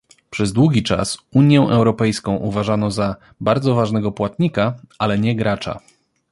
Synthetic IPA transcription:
pʂɛzd̪wuɡʲit͡ʂa̰suɲjɛ̃ʔɛwɾɔpɛjskɔ̃w̃ʔuvaʐanɔza | baɾd̪zɔvaʐnɛɡɔpwat̪ɲikaalɛɲɛɡɾat͡ʂa̰

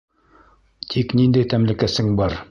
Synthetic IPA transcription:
t̪ʰiknind̪æjt̪æmlɘ̆kæsɘŋbɑɾ

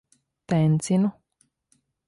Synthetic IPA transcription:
t̪ent͡sinu

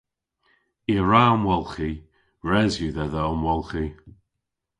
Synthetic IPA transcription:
iɹamwɛlˠxi | ɹɛzjuðɛðəəmwɛlˠxi

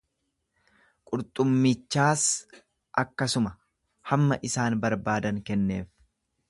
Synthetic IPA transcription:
kʼʊɾt̪ʼʊmːɪt͡ʃːaːs | ʔɐkːɐsʊmɐ | hɐmːɐʔɪsaːnbɐɾbaːd̪ɐŋkɛnːe̞̰ːf

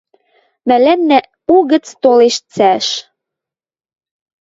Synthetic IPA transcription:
mælænːæ | uɣɘ̆t͡st̪oleʃt͡sæʃ

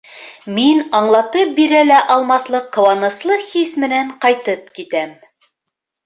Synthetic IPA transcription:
minɑɴlˠɑt̪ɤp̚biɾælæʔɑlˠmɑslˠɤqːɤ̆wɑnɤ̆slˠɤhismɘ̆næɴqɑjt̪ɤp̚kit̪æm

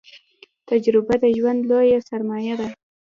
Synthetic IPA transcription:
t̪ad͡ʒɾɪbad̪əʒwand̪lojasaɾmɑjad̪a

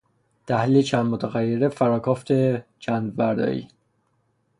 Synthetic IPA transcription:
t̪ʰæhliːlet͡ʃʰæːnd̪mot̪ʰæɣæjːeɾefæɾɒːkʰɒːft̪ʰet͡ʃʰænd̪væɾd̪ɒ̰ːḭː

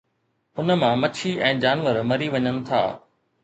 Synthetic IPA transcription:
ʊnmãmɐt͡ɕʰiʔɛ̃ːd͡ʑaːnʋəɾmɐɾiʋɐɲənɪ̆t̪ʰa̰ː

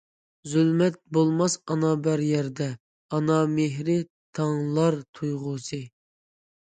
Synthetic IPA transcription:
zylmɛt̪̚bolˠmɑsɑnɑbæɾjɛɾd̪ɛ | ɑnɑmeɦɾɪ | t̪ʰɑŋlˠɑɾt̪ʰujʁʊsɨ

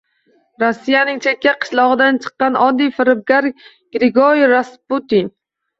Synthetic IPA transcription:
ɾosːijanɪŋt͡ʃʰekʲːaqʰɨ̥ʃlˠɒʁɨd̪ant͡ʃʰɨ̥qːɑnɒd̪ːijfɪɾɪb̚ɡaɾ | ɡ̥ɾɪɡoɾiɾasput̪in

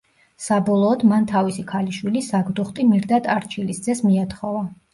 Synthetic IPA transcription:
sabɔlˠɔːd̪mant̪ʰavisikʰaliʃwilisaɡd̪uχt̪ʼimiɾd̪at̪ʼaɾt͡ʃʰilisd̪zɛsmiat̪χɔva

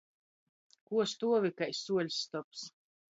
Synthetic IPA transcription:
kuɔst̪uɔvikajsuɔlʲsːt̪ɔps

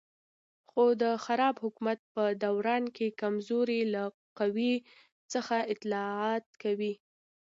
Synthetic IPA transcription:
xod̪əxaɾɑbhʊkumat̪̚pəd̪awɾɑnkekamzoɾela | qawi | t͡səxaɪt̪lɑɑt̪̚kawi

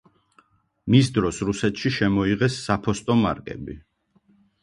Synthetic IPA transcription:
misd̪ɾɔsɾusɛt̪ʃiʃɛmɔiʁɛsːapʰɔst̪ʼɔma̰ɾkʼɛ̰bi

